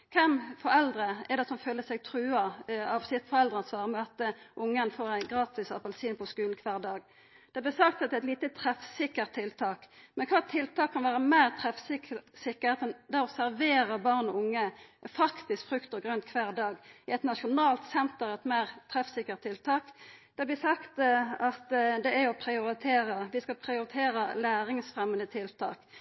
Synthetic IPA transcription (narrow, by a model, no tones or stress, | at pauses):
kʰɛmfɔɾɛld̪ɾəɛʁd̪ɛt̪sɔmføːləsɛɡ̚t̪ʰʁʉːɑɑʋsɪt̪fɔɾʁɛld̪ʁəɑnsʋɑːʁəmɛɑt̪əʔʊŋːənfoːʁæɪɡʁɑːt̪ɪsɑpɛlsiːnpʰɔskʉːln̩kʰʋæːʁd̪ɑːɡ | d̪̥ɛblɛsɑk̚t̪ɑt̪d̪ɛːæɪt̪liːt̪ət̪ʰʁɛfsɪkːəʁt̪ʰːɪlt̪ʰɑːkmɛnkʰɑːɛt̪ʰːɪlt̪ʰɑːkʰːɑnʋæːʁəmæɪʁt̪ʰʁɛfsɪkəsɪkːəʁheːt̪ɛnd̪æːɔsæʁʋeːʁəbɑʁnɔʊŋːəfɑkt̪ɪskfʁʉkt̪əʁɡʁœnt̪̚kʰʋæːʁd̪ɑːɡɪɛt̪nɑʃʊnɑːlt̪sɛnt̪əɾɛt̪mæɪʁt̪ʰʁɛfsɪkːəʁt̪ʰːɪlt̪ʰɑːkd̪̥ɛɑblɛɪsɑkt̪ɑt̪d̪ɛæjɔpʰɾɪʊɾɪt̪ʰeːɾəʋɪskɑlpʰɾɪʊɾɪt̪ʰeːɾəlæːʁɪŋsfʁɛmənd̪ət̪ʰɪlt̪ʰɑːk